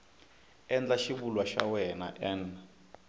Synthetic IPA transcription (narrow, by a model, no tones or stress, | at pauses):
ɛnd͡ɮaʃiβulwaʃa̰wɛna̰ʔɛn